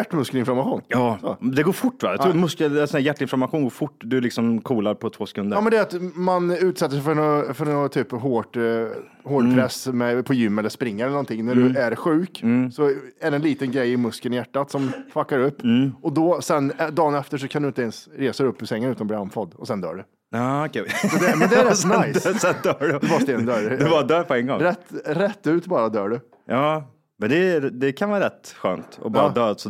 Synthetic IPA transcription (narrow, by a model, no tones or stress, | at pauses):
æʈːmɵskəlɪnflaɾmaɧuːnjɑːd̪ɛɡoːfʊʈːʋɑ̰jɑ̰t̪ɾuːmɵskəlɛsɔnæːjæʈːɪnflaɾmaɧuːnɡoːɾfʊʈːd̪ɵlɪksɔmkʰuːlaɾpʰɔt̪ʰv̥oːsɛ̥kʰɵnd̪əɾjɑːmɛnd̪ɛæɾat̪manʉ̟ːt̪sɛt̪ːəʂɛɪjfœɾɔfœɾnɔt̪ʰyːpɦoːʈ | hoːɖpʰɾɛsmɛpʰɔjʏmːɛlːəspɾɪŋːaɛləɳɔnt̪ʰɪŋːnæɖɵæɾɧʉ̟ːksɔæɖɛnliːt̪ənɡɾɛjːɪmɵskənɪjæʈːat̪sɔmfakːaɾɵpːɔd̪ɔsɛnd̪ɑːnɛft̪əʂ̬ɔkʰand̪ɵɪnt̪ɛnsɾeːsad̪ɵpːɪsɛŋːənʉ̟t̪anbliːanfɔd̪ɔsɛnd̪œ̰ːɖɵ | ɑːkʰɛsɔd̪ɛmɛnd̪ɛɾɛnajssɛnd̪œːɖɵfɑst̪eːd̪nd̪œːɾd̪bɑːɾd̪œːɾpʰɔɛnɡɔ̰ŋɾɛt̪ːɾɛt̪ːʉ̟ːt̪bɑːɾad̪œːɖɵ | jɑː | mɛnd̪ɛd̪ɛkʰanvɑːɾɛt̪ɧø̰ːnt̪ɔ̰bɑːɾad̪œːsɔ